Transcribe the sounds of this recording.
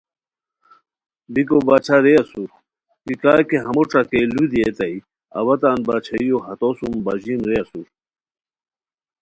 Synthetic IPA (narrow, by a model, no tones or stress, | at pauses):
d̪ikobaːt͡ɕʰaɾeɐsu | kikaːkeɦɐmoʈ͡ʂɐkelud̪iet̪ɐi | ɐ̰wɐt̪aːnbaːt͡ɕʰɐjoɦɐt̪osumbaʑimɾeɐsu